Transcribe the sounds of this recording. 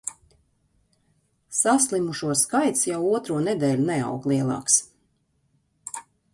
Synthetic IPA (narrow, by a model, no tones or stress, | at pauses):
saslˠimuʃuɔskajt̪sjawuɔt̪ɾuɔned̪ɛːlʲunɛa̰wklˠiɛlˠɑ̰ːks